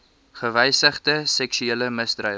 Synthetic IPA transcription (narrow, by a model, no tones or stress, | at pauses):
χəvɛjsəχdəsɛksyeːləməsdrœ